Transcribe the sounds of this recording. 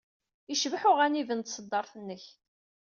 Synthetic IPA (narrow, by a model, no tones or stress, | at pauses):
iʃvħʊʁænivənt̪səd̪ːɑɾˤθənːəç